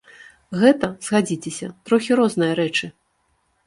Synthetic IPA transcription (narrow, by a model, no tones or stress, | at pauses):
ɣɛt̪ɐzɣad͡zʲit͡sʲesʲɐ̰t̪ɾɔxʲiɾɔznɨjɐɾɛt͡ʂɨ